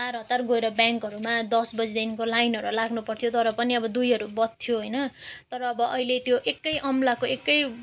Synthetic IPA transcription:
t͡sarɦʌt̪ːarɡoeɾʌbjaŋkʌɾumad̪ʌsbʌd͡zd̪inkolajnɦʌɾulaɡnupʌrt̪ʰijot̪ʌɾʌpʌniʌbʌd̪ujɦʌɾubʌt̪̚t̪ʰːjoɦojnʌt̪ʌɾʌːbʌʔʌilet̪joʔekːʌjʔʌmlakoekːʌj

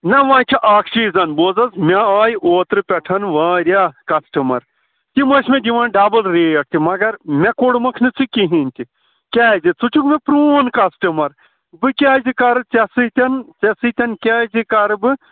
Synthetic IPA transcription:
nɐʋãːt͡ʃʲʰiʔaːkʃiːzɐnboːd͡zɐzmʲeaːjʔoːt̪ɾɨpʲɐʈʰɐnʋãːɾʲjaːkɐsʈɐmɐɾ | t̪imɐʃmed̪iʋɐːnɖaːbɐlɾeːɐʈ̚t̪ʰimɐɡɐɾmʲekoɽmɐkʰnɨt͡sʰɨkiɦinʲt̪ʲi | kʲaːzit͡sut͡ʃʰukmepɾuːnkɐsʈɐmɐɾ | bɨkʲaːzikɐɾɨt͡sɐsɨt̪ʲɐnt͡sɐsɨt̪ʲɐnkʲaːzikɐɾɨbɨ

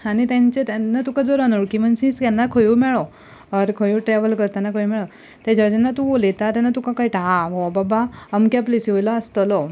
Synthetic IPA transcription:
anit̪jãɲt͡ɕet̪janːat̪ukãd͡zɔɾanoɽkim̤ənsĩt͡skanːakʰojumɛɭɔ | əɾkʰojuːʈɾɛʋəlkəɾt̪anakʰojumɛɭɔ | t̪ɛd͡ʑaʋd͡ʑanːat̪ũʋolet̪at̪janːat̪ũkãkaiʈaaɦɔbabaəmkjaplisiʋojlaəst̪əlɔ

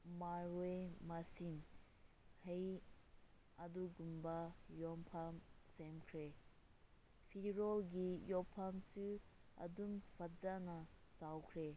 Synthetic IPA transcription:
maɾwemasin | hej | aduɡumbajɔmpʰamsemkʰɾe | pʰiɾɔlɡijɔpʰamsua̰dumpʰatzanatawkʰɾe

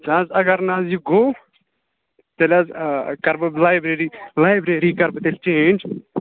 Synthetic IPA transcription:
d͡ʒãːzɐɡɐɾnãːzjuɡoː | t̪elʲazkɐɾbblaːjbɾeɾilaːjbɾeɾikɐɾbt̪elt͡ʃẽːnd͡ʒ

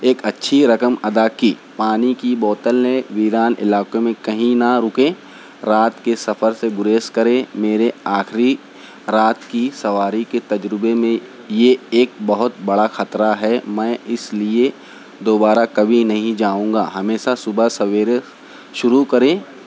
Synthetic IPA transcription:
eːkɐtːʃʰiɾɐkəmɐd̪aːkiː | paːnikibɔːt̪əlneʋiːɾaːnɪ̰laːkemẽkɐɦĩnaɾʊkẽː | ɾaːt̪kesɐfəɾseɡʊɾeːskɐɾẽmeːɾeaːxɾi | ɾaːt̪kisɐʋaːɾiket̪ɐd͡ʒɾɪbemẽ | jeeːk̚bɐɦʊt̪̚bɐɽaxɐt̪ɾaɦɛːmɛ̃ːɪslie | d̪oːbaːɾakɐbʱinɐɦĩd͡ʒaːũːŋɡa̰ːɦɐmeːʃasʊbasɐʋeːɾe | ʃʊɾukɐɾẽː

